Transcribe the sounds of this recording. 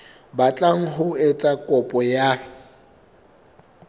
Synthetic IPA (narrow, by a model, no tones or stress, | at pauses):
bat͡ɬʼaŋ̩ɦʊet͡sʼakʼɔpʼɔja